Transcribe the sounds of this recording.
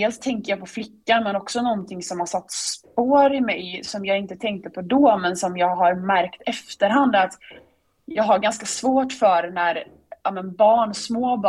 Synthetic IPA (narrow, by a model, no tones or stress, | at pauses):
eːlst̪ʰɛŋkəjaːpʰɔflɪkːanmɛnɔksɔnɔnt̪ʰɪŋsɔmhaʂat̪ːspoːɾɪmɛjsɔmjɑːɡɪnt̪ət̪ʰɛŋk̚t̪əpʰɔd̪ɔːmɛnsɔmjɑːɡɦaɾmæɾkt̪ɛft̪əɾɦand̪at̪ | jɑːɡɦaɾɡanskasvoːʈfœɾnæɾ | aːmɛnbɑːɳsmoːb